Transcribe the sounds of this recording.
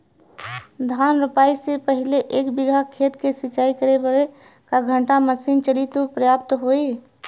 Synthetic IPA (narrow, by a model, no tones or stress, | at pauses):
d̪ʱaːnɾʊpaːisepəɦɪleʔeːkbɪɡʱakʰeːt̪kesɪt͡ʃaːikəɾebəɽe | kaɡʱə̃ɳʈaməsiːnt͡ʃəɽit̪upɾəjaːp̚t̪ɦoːe